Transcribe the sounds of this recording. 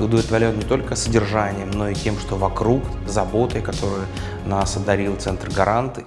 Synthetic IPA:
ʊd̪əvlʲɪt̪vɐɾʲo̞nnʲɪt̪o̞lʲkəsədʲɪrʐanʲɪjəmno̞itʲe̞mʂt̪ovɐkɾuk | zɐbo̞t̪əkɐt̪o̞ɾʊjʊ | nasɐd̪ɐɾʲilˠt̪sɛnt̪rɡɐɾant̪

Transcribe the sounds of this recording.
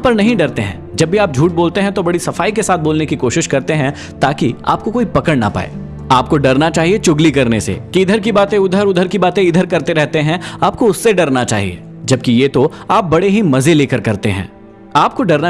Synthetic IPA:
pɐɾnɐɦĩɖɐɾt̪eɦɛ̰̃ːd͡ʒɐbːiaːp̚d͡ʒʱuːʈ̚boːlt̪eɦɛ̃t̪obɐɽisɐfaːikesaːt̪̚ʰboːlnekikoːʃɪʃkɐɾt̪eɦɛ̃ | t̪aːkia̰ːp̚kokoːipɐkəɽna̰pa̰ːḛː | aːp̚koɖɐɾnat͡ʃaːɦiet͡ʃʊɡlikɐɾnesḛkiɪd̪ʱəɾk̬ibaːt̪ẽʊd̪ʱəɾʊd̪ʱəɾkibaːt̪ẽɪd̪ʱəɾkɐɾt̪eɾɛɦt̪eɦɛ̃aːp̚koʊsːeɖɐɾnat͡ʃa̰ːɦiḛː | d͡ʒɐb̚kijeːt̪oaːp̚bɐɽeɦimɐzeleːkəɾkɐɾt̪eɦɛ̰̃ː | aːp̚koɖɐɾna

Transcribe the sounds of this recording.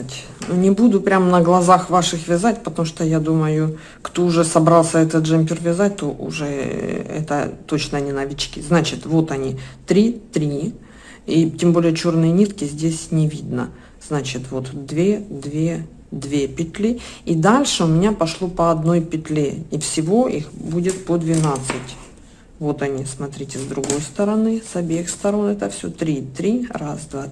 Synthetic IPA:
t̪ʲ | unʲɪbud̪ʊpɾʲamnəɡlˠɐzaxvaʂɨxvʲɪzatʲpət̪ɐmuʂt̪ojad̪uməjʊ | kt̪o̞ʊʐɛsɐbɾalˠsʲəɛt̪ət̪ʐɛmʲpʲɪrvʲɪzat̚ʲt̪oʔʊ̰ʐɛɛ̰t̪ə̰t̪o̞t͡ɕnənʲɪnɐvʲit͡ɕkʲɪznat͡ɕɪt̪vo̞t̪ɐnʲit̪ɾʲit̪ɾʲi | itʲembolʲɪjət͡ɕo̞rnɨjənʲit̪kʲɪzʲdʲesʲnʲɪvʲid̪nə̰ | z̥nat͡ɕɪt̪vo̞t̪d̪vʲe̞d̪vʲe | d̪vʲepʲɪt̪ʲlʲiid̪alʲʂɨʊmʲɪnʲapɐʂlˠo̞pəɐd̪no̞jpʲɪt̪ʲlʲeifsʲɪvo̞ʔixbudʲɪt̪̚pəd̪vʲɪnat̪sɨtʲ | vo̞t̪ɐnʲismɐt̪ɾʲitʲɪzd̪ɾʊɡo̞jst̪əɾɐnɨsɐbʲexst̪ɐɾo̞nɛt̪əfsʲo̰t̪ɾʲit̪ɾʲirasd̪va

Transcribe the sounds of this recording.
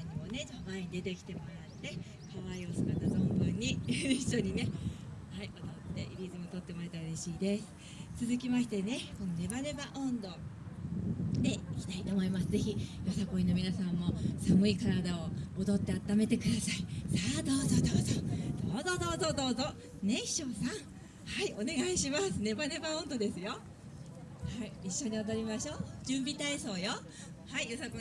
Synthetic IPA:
aɲ̟imo̞ne̞d͡ʑobãɲ̟id̪e̞t̪e̞kʲi̥t̪e̞mo̞ɾat̪ːe̞ | kaβaio̞sɨ̥kat̪ːazõ̞mbɯ̟̃ɲ̟ːijɯiɕo̞ɲ̟ine̞haiʔo̞d̪o̞t̪ːe̞ʔiɾʲizɨmo̞t̪o̞t̪ːe̞moɾet̪aɯ̟ɾeɕiːd̪e̞sɨ̥ | t͡sɨzɨkʲimaɕi̥t̪e̞ne̞konone̞baɾe̞baʔõ̞nd̪o̞ | d̪e̞ikʲi̥t̪ait̪o̞ːmo̞imasɨze̞çijo̞sako̞ĩno̞mʲinasãmːo̞samɯ̟ikaɾad̪aood̪o̞t̪ːe̞at̪ːame̞t̪e̞kɯ̟d̪asaisaːd̪o̞ːzod̪oːzod̪̥oːzod̪o̞ːzo̞d̪o̞ːzo | ne̞çi̥ɕo̞ːsãŋ̃ | haio̞ne̞ɡaiɕimasɨne̞bane̞baõnd̪o̞d̪e̞sɨjo | haiiɕːoɲ̟iod̪oɾʲimaɕo̞ːd͡ʑɨ̃mbʲit̪aeso̞ːjo | haijo̞sako

